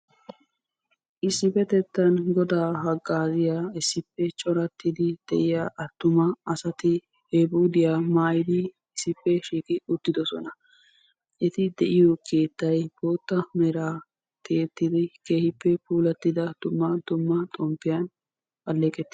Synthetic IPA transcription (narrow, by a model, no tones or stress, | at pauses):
ʔɪsːɪfɛt̪ɛt̪ːɐnɡɔd̪aːɦɐɡːaːzɪjaɪsːɪpːɛt͡ʃʼɔɾɐt̪ːɪd̪ɪd̪̥ɛʔɪjaʔɐt̪ːʊmɐɐsɐt̪ɪ | hebuːd̪ɪjamaːjɪd̪ɪ | ɪsːɪpːɛʃiːkʼɪʊt̪ːɪd̪ɔsɔ̰nɐ | ʔɛt̪ɪd̪ɛʔɪjokʰeːt̪ːɐjb̥o̞ːt̪ːɐmɛɾaː | t̪ʰeːt̪ːɪd̪ɪke̞ːhɪpːɛpuːlɐt̪ːɪd̪ɐd̪̥ʊmːɐd̪̥ʊmːɐt̪ʼɔmpːɪjɐn | pʼɐlːɛːkʼɛt̪ːɪ